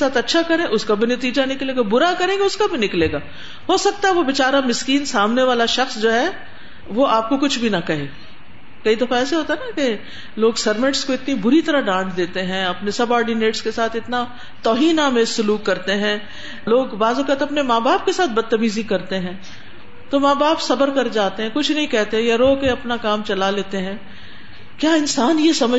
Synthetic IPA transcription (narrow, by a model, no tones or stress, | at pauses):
saːt̪ʰɐtːʃʰakɐɾẽʔʊskabʱinɐt̪iːd͡ʒanɪkleːɡabʊɾakɐɾẽːɡeʊskabʱinɪkleːɡaː | ɦoːsɐk̚t̪aɦɛʋoʋɪt͡ʃaːɾamɪskiːnsaːmneʋaːlaʃɐxsd͡ʒoːɦɛ | ʋoʔaːp̚kokʊt͡ʃʰbʱinɐkɐɦeː | kɐid̪ɐfaɛːseɦoːt̪aɦɛnake | loːɡsɐɾmɪʈskoɪt̪nibʊɾit̪ɐɾaɦɖãːʈʰd̪eːt̪eɦɛ̃ɐpnesɐbaːɾɖineːʈskesaːt̪ʰɪt̪na | t̪ɔːɦiːnamẽːsʊluːkːɐɾt̪eɦɛ̃ | loːɡbaːzokat̪ɐpnemaːbaːp̚kesaːt̪̚ʰbɐd̪̚t̪ːɐmiːzikɐɾt̪eɦɛ̃ː | t̪omaːbaːpsɐbəɾkɐɾd͡ʒaːt̪eɦɛ̃kʊt͡ʃʰnɐɦĩkɛɦt̪eɦɛ̃jaɾoːkeɐpnakaːmt͡ʃɐlaleːt̪eɦɛ̃ː | kjaːɪnsaːnjesɐmə